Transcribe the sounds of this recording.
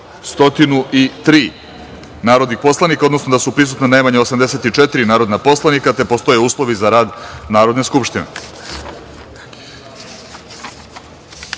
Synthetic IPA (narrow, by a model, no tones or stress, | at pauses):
st̪o̞t̪inuʔit̪ɾiː | naːɾod̪nixpo̞slˠanikao̞d̪nosno̞d̪asupɾisut̪nenajmaɲeo̞samd̪e̞se̞t̪it͡ʂɛt̪iɾinaːɾo̞d̪napo̞slˠanikat̪e̞po̞st̪o̞je̞uːslˠo̞ʋizaɾaːd̪naːɾod̪ne̞skupʃt̪inḛ